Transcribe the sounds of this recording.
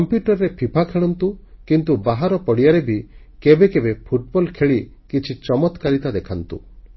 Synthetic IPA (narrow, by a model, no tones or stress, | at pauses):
ɔmpjuʈɔɾːepʰipʰakʰeɭɔnt̪ukint̪ubaɦaɾɔpɔɽijaɾebʱi | kebekebepʰuʈ̚bɔlkʰeɭi | kit͡ʃʰit͡ʃɔmɔt̪kaɾit̪ad̪ekʰant̪ṵ